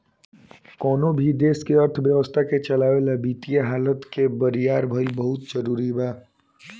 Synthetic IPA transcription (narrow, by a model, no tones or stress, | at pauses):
kɔːnobʱid̪eːskeəɾt̪ʰbjəʋəst̪ʰaket͡ʃəlaːʋelabiːt̪ijaɦaːlət̪kebəɾijaːɾbʱəibəɦʊt̪zəɾuːɾibaː